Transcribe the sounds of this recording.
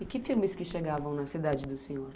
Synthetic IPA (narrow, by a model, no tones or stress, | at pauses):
ɪkɪfiwmɪskɪʃeɡavɐ̃w̃nɐsid̪ad͡ʒɪd̪ʊsẽɲoɾ